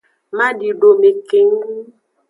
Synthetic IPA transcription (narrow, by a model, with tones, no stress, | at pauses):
ma˦ɖi˨ɖo˨me˨ke˨ŋ˦